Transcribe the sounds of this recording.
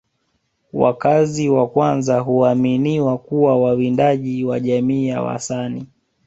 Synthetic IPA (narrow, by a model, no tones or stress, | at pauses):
wa̰kaziwakwanzaɦuaminiwakuwawawindaʄiwaʄamiːja̰wa̰sani